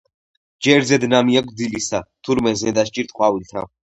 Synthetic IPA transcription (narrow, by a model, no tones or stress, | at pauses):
d͡ʒɛɾzɛd̪namiaɡʰd̪ilisat̪ʰuɾmɛznɛd̪aʃt͡ʃʼiɾt̪ʼqʼwavilt̪ʰa̰